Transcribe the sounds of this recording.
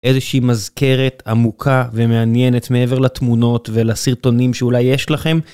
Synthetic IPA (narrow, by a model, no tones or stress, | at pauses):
ʔezeʃiːmazke̞ʁet̪amukʰave̞meanjene̞t̪meeve̞ʁlat̪muno̞t̪velasiʁto̞nimʃeulajːeʃlaχe̞m